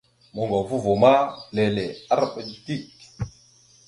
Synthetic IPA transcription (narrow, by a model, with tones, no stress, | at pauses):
mo˨ŋɡa˨vu˦vo˨ma˦le˨le˨a˦ɾa˨pe˨ɗi˨ti˦˨k